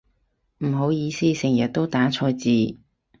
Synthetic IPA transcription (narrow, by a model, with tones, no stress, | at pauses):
m̩˨˩ɦo˨˥wjiː˨˧siː˥sɪ˨˩ŋjɐ˨t̚t̪o˥wt̪aː˨˥t͡sʰɔː˧jt͡siː˨˧